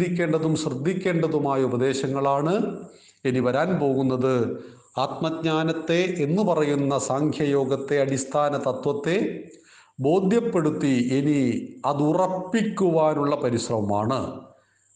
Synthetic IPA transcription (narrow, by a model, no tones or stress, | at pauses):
ikʲːe̞ːɳɖɐðumɕrɨd̪ːikʲːe̞ːɳɖɐðumaːjɐubɐd̪e̞ːɕɐŋːɐɭaːɳɨ | e̞niʋɐɾaːnpo̞ːɣunːɐðɨ | aːt̪̚mɐd̪̚ɲaːnɐt̪ːe̞ʔenːɨpɐrɐjunːɐsaːŋkʰjɐjo̞ːɡɐt̪ːe̞ɐɽist̪ʰaːnɐt̪ɐt̪ʋɐt̪ːe̞ | bo̞ːd̪ʱjɐpːe̞ɽut̪ːieniɐðurɐpːikʲːuʋaːnuɭːɐpɐɾiɕrɐʋɐmaːɳɨ